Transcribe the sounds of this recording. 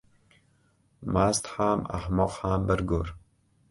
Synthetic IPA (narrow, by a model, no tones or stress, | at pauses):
maːst̪ħaːma̰ħmɔqħaːmbəɾɡoɾ